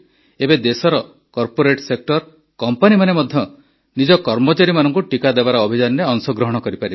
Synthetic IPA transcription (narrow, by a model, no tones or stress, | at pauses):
ebed̪esɔɾɔ | kɔɾpoɾeʈsek̚ʈɔɾ | kɔmpanimanemɔd̪ʱjɔ | nid͡ʒɔkɔɾmot͡ʃaɾimanɔŋkuʈikad̪ebaɾɔːbʱid͡ʒanɔɾeɔŋsɔɡɾɔɦɔɽ̃ɔkɔɾipaɾi